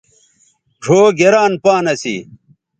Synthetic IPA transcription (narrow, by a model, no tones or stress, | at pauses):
ʐʱoːɡeɾaːnpaːnɐsḭ